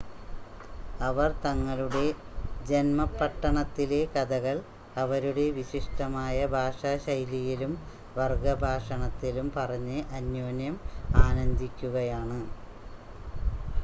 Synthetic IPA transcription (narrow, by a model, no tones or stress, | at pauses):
ɐʋɐrt̪ɐŋːɐluɽe̞ | d͡ʑenmɐpːɐʈːɐɳɐt̪ːile̞kɐd̪ɐɣɐɭ | ɐʋɐɾuɽe̞ʋiɕiʂʈɐmaːjɐbʱaːʂaːɕɐjlijilum | ʋɐrɡɐbʱaːʂɐɳɐt̪ːilumpɐrɐɲːɨʔɐnjoːnjɐmaːnɐɲd̪ikʲːuɣɐjaːɳɨ